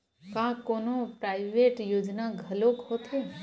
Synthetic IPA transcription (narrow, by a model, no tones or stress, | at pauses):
kãːkoːnõpɾaːɪʋeːʈjoːd͡ʒnaɡʱɐloːkhoːt̪e